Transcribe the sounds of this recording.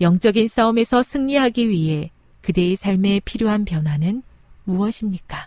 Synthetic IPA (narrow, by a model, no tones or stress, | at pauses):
jʌŋt͡ɕ͈ʌɡins͈aume̞sʰʌsʰɯŋɲiɦaɡiɥiɦe̞ | kɯde̞ːsʰaɭme̞pʰiɾjoɦanpjʌnɦwanɯn | muʌɕʰimɲik͈a